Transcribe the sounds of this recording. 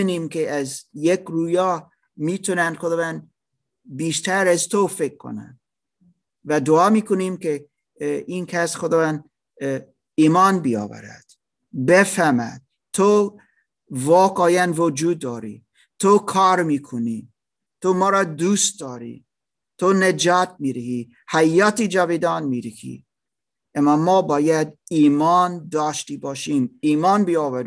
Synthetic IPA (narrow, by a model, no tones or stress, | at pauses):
niːmkeæzjekɾuːjɑː | miːt̪ʰonænxod̪ɑːvænd̪ | biːʃt̪ʰæɾæzt̪ʰofekʰːo̰næ̰nd̪ | væd̪oɑːmiːkʰoniːmkʰe | iːnkʰæsxod̪ɒːvænd̪ | iːmɑːnbiɑ̰ːvæ̰ɾæ̰d̪̥ | befæmæ̰d̪̥̚ | t̪ʰo | vɒːɡɑːjænvod͡ʒuːd̪ːɒːɾḭ | t̪ʰokʰɑːɾmiːkʰoni | t̪ʰomɒːɾɑːd̪uːst̪̚d̪ɒːɾḭ | t̪ʰoned͡ʒɑːt̪̚ʰmiːɾehi | hæjːɑːt̪ʰiːd͡ʒævid̪ɑːnmiːɾikʰḭ | æmːɑmɒːbɒːjæd̪iːmɑːnd̪ɒːʃt̪ibɑːʃimiːmɑːnbiɑːvæɾ